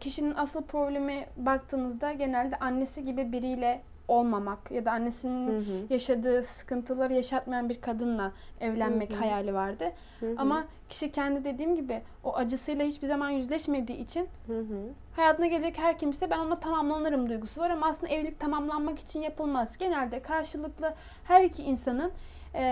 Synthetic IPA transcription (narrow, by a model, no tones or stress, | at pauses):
cʰiʃininʔasɯlˠpʰɾo̞blʲe̞mɛbak̚t̪ʰɯːmɯzd̪aɟe̞nælʲd̪ɛʔanːe̞siɟibibiɾijlʲɛ | o̞lˠmamakjad̪aːnːe̞sininjaʃad̪ɯːsɯ̥kɯnt̪ʰɯlˠaɾajaʃat̪̚majanbiɾkʰad̪ɯnlˠaɛvlʲænmɛchajaːlʲivaɾd̪ɯ | ama | cʰi̥ʃicʰɛnd̪id̪e̞d̪iːmɟibɪ | oʔad͡ʒɯsɯjlˠahit͡ʃbizamanjyzlʲɛʃme̞d̪iːit͡ʃʰin | hajaːt̪ʰɯnaɡɟe̞lʲe̞d͡ʒɛchæɾcʰimsisɛbæno̞nat̪ʰamamlˠanɯɾɯmd̪ujɡusuvaɾamaːsɯnd̪aɛvlʲic̚t̪ʰamamlˠanmaki̥t͡ʃʰinjapʰɯlˠmazɟ̥e̞nælʲd̪ɛkʰaɾʃɯlˠɯklˠɯ | hæɾicʰiinsanɯn